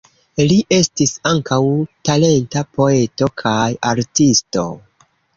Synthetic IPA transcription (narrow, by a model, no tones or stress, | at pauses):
liʔe̞stisaŋkawtale̞ntapo̞e̞to̞kʰajaɾtisto̞̰